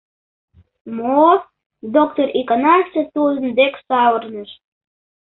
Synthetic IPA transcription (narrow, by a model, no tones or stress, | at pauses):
mo | d̪ok̚t̪orikɑnɑʃt̪et̪uzənd̪eksɑwərnəʃ